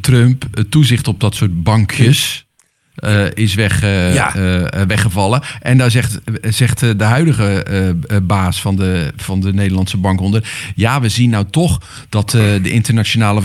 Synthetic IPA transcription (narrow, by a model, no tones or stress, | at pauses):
trømpətuzɪxtɔp̚dɔtsoət̚bɑŋkʰjəs | ɪs̬ʋɛ | ʋɛxəvɑlˠəʔɛndazɛtz̥ɛxtdəɦœɥdəɣə | baːsfɔndəfɔndəneːdəlˠɑntsəbɑŋkondərjaːʋəzinːawtɔx | d̥ɔtdəʔɪntərnat͡ʃonaːlə